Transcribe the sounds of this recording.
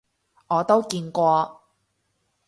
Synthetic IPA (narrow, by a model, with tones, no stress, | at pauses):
ɔː˨˧t̪o˥wkiː˧nkʷɔː˧